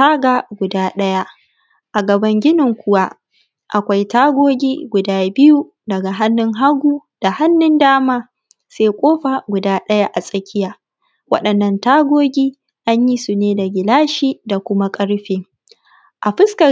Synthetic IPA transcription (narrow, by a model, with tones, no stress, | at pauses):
aː˦ɡa˨ɡʷʊ˨daː˦ɗɐ˦ja˦ | ʔa˨ɡɐ˨bɐ˦ŋɡʲɪ˦nɪ˨ŋkʷʊ˦wa˦ | ʔa˨kʷa˦jtaː˦ɡʷoː˦ɡʲiː˦ɡʷʊ˨daː˦bɪ˦ju˦ | dɐ˨ɡa˨ɦa˦nːɪ˦ŋɦa˦ɡʷuː˦d̥a˨ha˦nːɪ˦ndaː˦maː˦ | seː˦kʷʼoː˦ɸa˨ɡʷʊ˨daː˦ɗɐ˦ja˦ʔa˨sʼɐ˦kʲɪ˦jaː˨ | wɐ̰˦ɗɐ˨nːɐ˨ntaː˦ɡʷoː˦ɡʲiː˦ | ʔa˦ɲji˦su˨neː˦da˨ɡʲɪ˨laː˦ʃiː˦da˨kʷʊ˦ma˦kʼɐ˦ɽɸeː˦ | ʔa˨ɸɪ˦skɐ˨